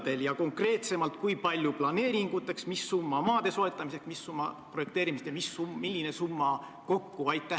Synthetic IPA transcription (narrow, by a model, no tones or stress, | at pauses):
d̪̥e̞ljɑko̞ŋkre̞ːt̪se̞mɑlt̪̚kujpɑlʲjuplɑne̞ːɾiŋɡ̥ut̪ːˑe̞ksmisːumːɑmɑːd̪̥e̞so̞e̞t̪ːˑɑmise̞kmisːumːɑpro̞jekt̪e̞ːɾimist̪emisummilʲːine̞sumːɑ | ko̞kːuɑjt̪ːˑæ